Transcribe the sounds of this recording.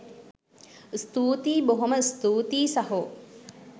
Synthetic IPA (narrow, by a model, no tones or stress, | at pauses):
st̪uːt̪iːboɦoməst̪uːt̪iːsaɦo